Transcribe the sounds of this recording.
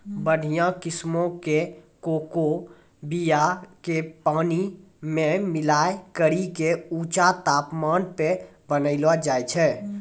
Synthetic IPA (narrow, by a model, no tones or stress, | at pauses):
bəɽ̤ijãkɪsmõkekoːko | bijakepaːni | mẽmɪlaːekəɾikeuːt͡ʃat̪aːpmaːnpe | bənəɪlad͡ʒaːjt͡ʃʰɛː